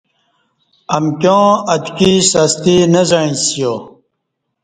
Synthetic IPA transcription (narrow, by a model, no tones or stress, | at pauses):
ɐmkjõːɐd̪kisast̪inɐzaĩsijo